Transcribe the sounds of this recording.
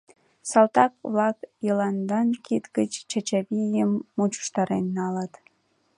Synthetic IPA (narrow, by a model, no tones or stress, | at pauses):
sɑlt̪ɑkβlɑkjəlɑnd̪ɑnkit̪ɡət͡ɕt͡ɕɑt͡ɕaβijəmːut͡ɕu̥ʃt̪ɑɾenːɑlət̪